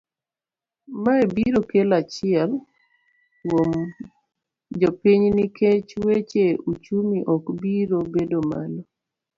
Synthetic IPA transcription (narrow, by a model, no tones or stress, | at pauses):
maebiɾokelat͡ʃɪɛl | wom | d͡ʒɔpiɲniket͡ʃwet͡ʃeut͡ʃumiʔɔkbiɾobedoma̰lɔ